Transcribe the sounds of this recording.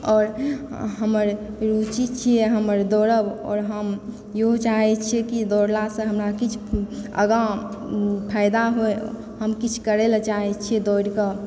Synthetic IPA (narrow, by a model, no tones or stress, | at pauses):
ɔːɾɦəməɾ | ɾut͡ʃit͡ʃʰieɦəməɾd̪ɔɾəbɔ̰ːɾɦəm | jeɦot͡ʃaɦɛt͡ʃʰekid̪ɔɾlasə̃ɦəmɾakit͡ʃʰə̰ɡã | pʰajd̪aɦoe | həmkit͡ʃʰkəɾelt͡ʃaɦɛt͡ʃʰied̪ɔɾkə